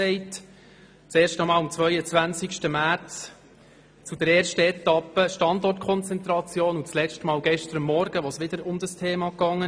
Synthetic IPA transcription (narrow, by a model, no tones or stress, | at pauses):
ɛɪt | t͡seːɾʃtɔmɑːlɑmt͡svʋœʏət͡sʋænt͡sɪkʃtəmæt͡s | t͡sudɛɾeːɾʃtəɛt̪ɑpːəʃtɑndɔrtkʰɔnt͡sɛnt̪ɾɑt͡sjoːnut͡slɛt͡ʃtmɑːlɡɛʃtəɾəmːɔɾɡ̥əʋɔsʋɪd̥̪əɾʊmdəstʰeːmɑkɑŋːə